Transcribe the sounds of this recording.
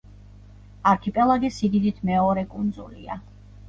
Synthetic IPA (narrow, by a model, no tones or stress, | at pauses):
aɾkʰipʼɛlˠaɡisid̪id̪it̪ʰmɛɔɾɛkʼund̪zṵlḭa̰